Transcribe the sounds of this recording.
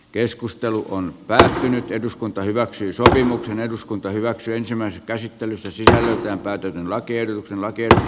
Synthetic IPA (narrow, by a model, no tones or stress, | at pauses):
keskust̪eluʔonpæːt̪ːynyt̪eduskunt̪ɑhyʋæksyːsopimukseneduskunt̪ɑhyʋæksyːensimˑæˑiseskæsit̪ːelysːæsisælːˑøˑlt̪æːmpæːt̪øt̪ynlɑkiehdot̪uksenlɑkieh